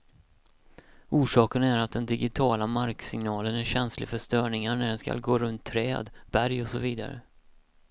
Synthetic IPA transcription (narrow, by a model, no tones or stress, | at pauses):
uːʂɑːkənæɾat̪̚d̪ɛnd̪ɪɡɪt̪ʰɑːlamaɾksɪŋnɑːlənæɾɕɛnslɪ̰fœʂt̪œːɳɪŋaɳæɖɛnska̰lɡoːɾɵnt̪ʰːɾɛːd̪b̥æɾjɔsɔviːd̪a̰ɾə̰